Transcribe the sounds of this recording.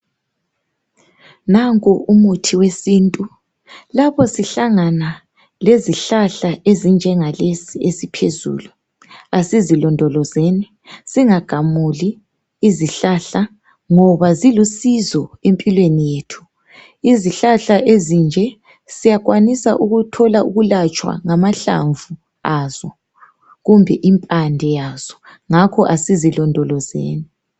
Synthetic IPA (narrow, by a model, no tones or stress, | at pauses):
naŋkʼuʔumutʰiwesiːntʼu | lapʰɔsiɬaŋana | leziɬaɬaʔezind͡ʒʱɛŋalesiesipʰezṵːlu | asizilɔndʱɔlɔzeni | siŋaɡ̥ʱamuliː | ziɬaɬa | ŋɔβazilusizɔempʼilwenijeːtʰu̥ | iziɬaɬaʔezind͡ʒʱɛ | sijaɣwanisa̰ʔuɣutʰɔlauɣulat͡ʃʼwa̰ŋamaɬa̰ɱvu | az̥ɔ | ɣumbʱɛʔimpʼandʱɛjaz̥ɔ | ŋakʰɔʔasizilɔndʱɔlɔzḛːni